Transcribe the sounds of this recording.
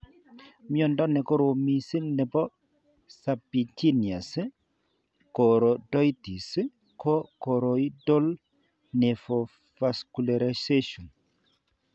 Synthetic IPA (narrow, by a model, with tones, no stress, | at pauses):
mi˦ɔ˨ndɔ˦nɛ˨ko˦ɾo˨mi˨si˦nɛ˨bɔ˦ | sa˨pi˨ti˦ni˨a˨si˦ | ko˨ɾo˨dɔ˦jti˨si˦ | kʰɔ˦ko˨ɾo˨i˦do˦l | ne˨fo˨ | va˨sku˨la˨ɾa˨se˦ʃɔ˨n